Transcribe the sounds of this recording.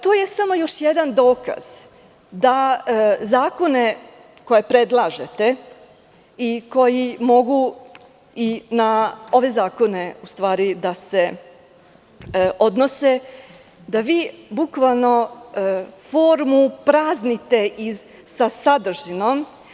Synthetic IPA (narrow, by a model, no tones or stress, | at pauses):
t̪oːjesamo̞jo̞ʃjed̪and̪o̞ːka̰z̥ | d̪azaːko̞ne̞ | ko̞je̞pɾe̞d̪lˠaːʒet̪e̞ | iko̞jimo̞ɡu | inao̞ʋe̞zaːko̞ne̞ust̪ʋaːɾid̪ase̞ | ʔo̞d̪nose̞ | d̪aʋiːbukʋalˠno̞ | fo̞ːɾmupɾaːznit̪e̞ʔi | sasad̪r̩ʒino̞m